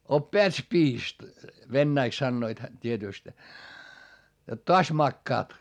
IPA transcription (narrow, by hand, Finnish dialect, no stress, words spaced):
opːeæt spiːst ʋenːæiks sɑnːoit hæ tʲietyˑst jot toɑs mɑkːɑːt